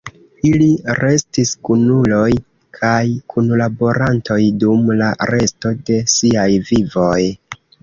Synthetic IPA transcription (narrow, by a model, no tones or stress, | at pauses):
iliɾe̞stiskunulo̞j | kʰajkʰunlabo̞ɾantʰo̞jdumlaɾe̞sto̞de̞siajvivo̞j